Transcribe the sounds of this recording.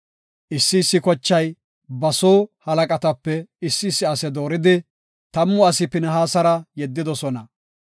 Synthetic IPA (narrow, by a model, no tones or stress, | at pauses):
ʔɪsːɪːsːɪkɔt͡ʃːɐj | bɐsoːhɐlɐkʼɐt̪ɐpːɛɪsːɪːsːɪɐsɛd̪o̞ːɾɪd̪ɪ | t̪ɐmːʊɐsɪpɪnɛɦaːsɐɾɐjɛd̪ːɪd̪ɔsɔnɐ